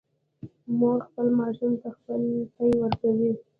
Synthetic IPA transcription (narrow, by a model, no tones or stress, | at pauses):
moɾxpəlmɑʃumt̪axpəlpajwəɾkawi